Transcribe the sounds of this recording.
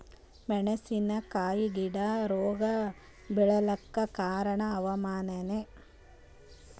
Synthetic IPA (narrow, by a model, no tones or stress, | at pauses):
mɛɳɐsinɐkaːjiɡiɽɐɾoːɡɐ | bɛɭɐlɐkːɐkaːɾɐɳɐːʋɐmaːnɐne